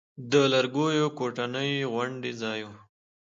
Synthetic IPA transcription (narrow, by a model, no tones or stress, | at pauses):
d̪əlaɾɡojokoʈanəjɣwaɳɖezɑjo